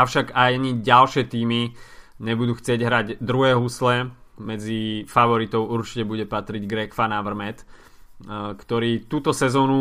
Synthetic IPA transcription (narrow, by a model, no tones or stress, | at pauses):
aʊʃaɡajaɲiɟalʃɪɛt̪iːmi | ɲɛbud̪uːxt͡sɪɛɟɦɾaɟd̪ɾuɦɛːɦuslɛmɛd͡zifaʋɔɾit̪ɔʊuɾt͡ʃi̥cɛbuɟɛpat̪ɾiɟɡɾɛkfanaʋr̩mɛt̪ | kt̪ɔɾiːt̪uːt̪ɔsɛzɔːnu